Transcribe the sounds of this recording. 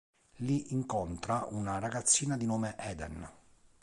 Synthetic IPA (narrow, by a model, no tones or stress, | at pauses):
liʔiŋkont̪ɾaunaraɡat̪sːiːnad̪inoːmeʔɛːd̪ɛ̰n